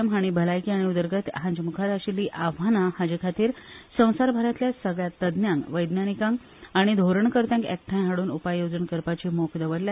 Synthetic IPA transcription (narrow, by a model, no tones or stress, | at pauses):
əmɦaɽ̃ibʱəlajkiaɽ̃iud̪əɾɡət̪ɦãɲd͡ʑmukʰaɾaɕiliːʔaʋ̤anahad͡ʑikʰat̪iːɾsə̃w̃saɾbʱaɾat̪ljasəɡɭjat̪ːəd̪njãŋɡʋəjd̪njanikãŋɡ | aɽ̃id̪ʱoɾəɳkəɾt̪jãŋkḛk̚ʈʰãjɦaɽuːnupajjod͡zənkəɾpat͡ɕiːmokʰd̪əʋəɾlja